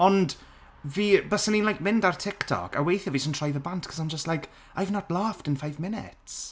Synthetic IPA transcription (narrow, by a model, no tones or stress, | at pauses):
ɔnd | viːbəsəninlajk̚mɪndartʰɪktʰɔ̰kʰa̰wejθjəvisəntʰr̥ajvəbantkʰɔ̥saɪ̃md͡ʒəstlajk | ajvnətlˠaːftɪ̃nfajvmɪnɪ̰ts